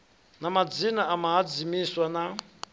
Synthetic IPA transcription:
namad͡zinaamaɦad͡zimiswana

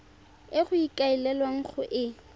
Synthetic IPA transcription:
ɪχʊikʼailɛlwaŋ̩χʊʔɪ

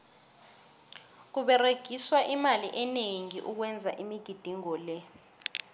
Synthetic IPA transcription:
k̬uɓɛreɡ̥ʱiswaʔimaliʔɛneŋiʔuk̬wɛnd͡zʱaʔimiɡ̥ʱid̥ʱiŋɔːlɛ

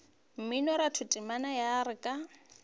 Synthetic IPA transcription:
m̩minɔɾatʰʊtʼimanajaɾɪkʼa

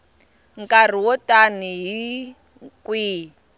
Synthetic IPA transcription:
ŋkʼar̤iwɔtʼaniɦi | kwiː

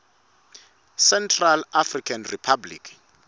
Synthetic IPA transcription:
sɛntʰralafrikʰanripʰablḭkʰ

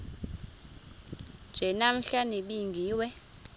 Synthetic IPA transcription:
d͡ʒ̥ʱɛnam̩ɬaniɓiŋɡʱiːwɛ

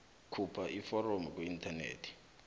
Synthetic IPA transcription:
kʰupʰaʔifɔɾomk̬weintʰanḛːtʰi̥

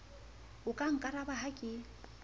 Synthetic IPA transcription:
ʊkʼaŋ̩kʼaɾabaɦakʼɪ

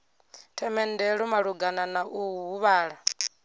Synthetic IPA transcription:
tʰɛmɛndɛɺumaɺuɡananaʔuwuɦuβaːɺa

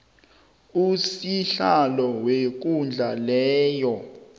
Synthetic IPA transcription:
usiɬalɔwek̬und͡ɮʱalɛːjɔ

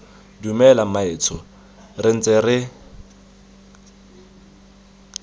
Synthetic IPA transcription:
dumɛlamaɪːt͡sʰɔ | rɪn̩t͡sʼerɪ

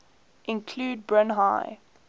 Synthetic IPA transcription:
ʔɪ̃nkʰluːd̚bɹə̃nɦaɪ

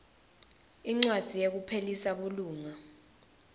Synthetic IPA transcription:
iŋ͡ǀwad̥ʱijek̬upʰelisaɓuluːŋa

